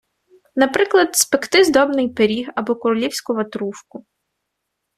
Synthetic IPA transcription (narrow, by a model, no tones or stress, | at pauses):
nɐpɾɪklˠɐd̪spekt̪ɪzd̪ɔbnɪjpeɾʲiɦɐbɔkʊɾʊlʲiwsʲkʊʋɐt̪ɾuʃkʊ